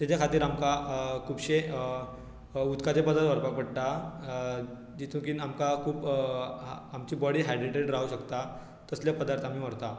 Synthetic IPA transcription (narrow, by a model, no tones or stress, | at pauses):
t̪jat͡ɕjakʰat̪iːɾamkakʰuːbɕe | ut̪kat͡sepəd̪at̪ʋəɾpak̚pəɽʈ̪a | d͡ʑit̪ʰũkiːnamkakʰuːpː | mt͡ɕiːbɔɽiːɦaɖieʈeɽɾauɕəkt̪a | t̪əsljapəd̪aɾt̪ʰamiːʋəɽt̪a